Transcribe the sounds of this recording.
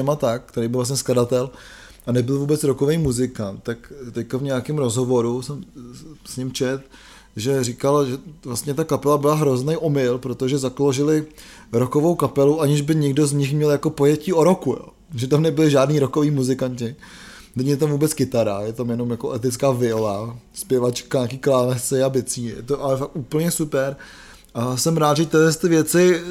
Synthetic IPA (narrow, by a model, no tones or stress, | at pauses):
ɛmat̪ak̚kt̪ɛɾejbɪlvlas̬ɲɛskladat̪ɛl | anɛbɪlvuːbɛt͡sɾokovejmuzɪkant̪t̪akt̪ɛckavɲɛakɪmɾo̞zɦovo̞ɾusɛmsɲɪmt͡ʃɛt̪ | ʒɛrikalʒɛvlast̪ɲɛt̪akapɛlabɪlaɦɾo̞znejʔo̞mɪlpɾot̪oʒɛzakloʒɪlɪ | ɾokovowkapɛluʔaɲɪʒbɪɲɛɡdo̞zɲɪxmɲɛljako̞pojɛciːʔo̞ɾokujo̰ː | ʒɛt̪amnɛbɪlɪʒaːdniːɾokoviːmuzɪkaɲcɪ | nɛɲjɛt̪̬amvuːbɛt͡skɪt̪aɾajɛt̪amjɛno̞mjakoʔɛt̪ɪt͡skaːvɪlaspjɛvat͡ʃkaɲaːkiːklaːnɛsɪabɪt͡siːjɛ̰t̪oʔalɛfak̚t̪uːpl̩ɲɛsupɛɾ | ʔasɛmɾaːt̪ʒɛt̪ɪɦlɛst̪ɪvjɛt͡sɪ